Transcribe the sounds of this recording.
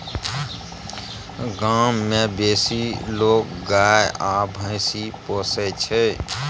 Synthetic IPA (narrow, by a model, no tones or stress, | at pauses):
ɡaːmːẽbeːsiloːkɡaːjabʱə̃ɪsipoːsɛt͡ʃʰɛ